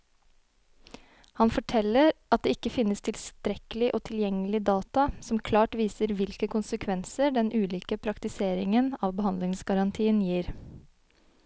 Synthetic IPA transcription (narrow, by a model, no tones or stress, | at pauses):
hɑnfɔʈʰɛləɾʔɑt̪̚d̪eːɪkəfɪnːəst̪ʰɪlst̪ɾɛkəlɪʔoːt̪ʰɪljɛŋːəlɪd̪ɑːt̪ɑsɔmkʰlɑːʈʋiːsəɾʋɪlkəkʊnsəkʰʋɛnsəɖɛnʔʉːliːkəpʰɾɑkt̪ɪseːɾɪŋənɑːʋbəhɑnd̪lɪŋsɡɑɾɑnt̪ʰiːənjiːɾ